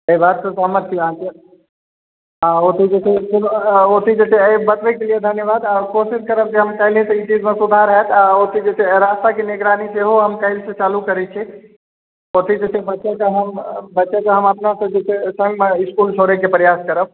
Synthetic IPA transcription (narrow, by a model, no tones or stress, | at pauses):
əibad̪̚sət̪ɦəməɾt̪ʰiaãke | aot̪id͡ʒesʰekulot̪id͡ʒet͡ʃʰebət̪ʋekelijed̪ʱənjəʋaːd̪akosɪskəɾəb̚keɦəmkəɦɪlĩsit͡ʃid͡ʒmẽsʊd̪ʱaɾəɦɛt̪ʰaot̪ʰid͡ʒesʰeɾast̪akeneɡɾaːniseɦoɦəmkəɦɪlsẽt͡ʃaːlukəɾɛt͡ʃʰɛ | ot̪ʰid͡ʒesʰebəːt͡ʃekaɦəmbətːʃekaɦəməpnasəd͡ʒet͡ʃʰesə̃ŋɡmeɪskult͡ʃʰoɾekepəɾjaskəɾəb̚